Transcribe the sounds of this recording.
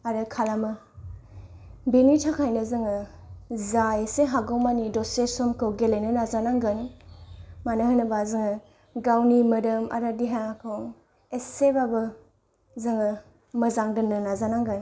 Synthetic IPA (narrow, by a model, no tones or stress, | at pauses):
aɾɯkʰalamɯ | benitʰakʰajnɯzɯŋɯ | zaeseɦaɡɔwmanidɔsesɔmkʰɯwɡelejnɯnazanaŋɡɯn | manɯhɯnɯbazɯŋɯ | ɡawnimɐdɯma̰ɾadiɦakʰɯwŋ | esebabɯ | zɯŋɯ | mɐzaŋdɯnɯnazanaŋɡɯn